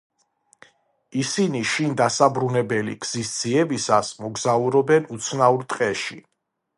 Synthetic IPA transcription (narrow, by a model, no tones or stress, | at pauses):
isiniʃind̪asabɾunɛbɛlḭɡz̥isd̪z̥iɛbisasmɔɡzauɾɔbɛnut̪sʰnauɾt̪ʼqʼɛʃi